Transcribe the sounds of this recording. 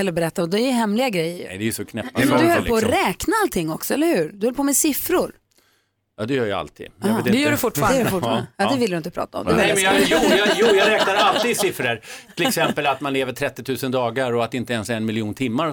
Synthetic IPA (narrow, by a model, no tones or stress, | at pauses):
ɛlːəbɛɾɛt̪ːaɔd̪ɛjʏɦɛmlɪɡaɡɾɛj̰ːə̰ɛ̰d̪ɛjʏsɔkʰnɛpːd̪ɵhœlpʰoːɔɾɛːknaalt̪ʰɪŋːɔksɔɛlːəɾhʉ̟ːɾd̪ɵhœləpʰoːmɛsɪfɾʊɾ | ɑ̰ːd̪ɛjœːɾja̰a̰lt̪ʰḭːd̪h̪d̪ɛjœːɖɵfʊʈːfɑːɾfʊfəjɑːd̪ɛvɪld̪ɵɪnt̪əpʰɾɑ̰ːt̪aɔ̰md̪ɛɛjuːjɑjuːjɑɾɛːk̚naɾalt̪iːd̪sɪfɾəɾt̪ʰɪlɛksɛmpəlat̪manleːvəʈʰɾɛt̪ːɪt̪ʰʉ̟ːsənd̪ɑːɡaɾɔat̪ɪnt̪əɛnsɛnmɪlɪuːnt̪ʰɪmːaɾ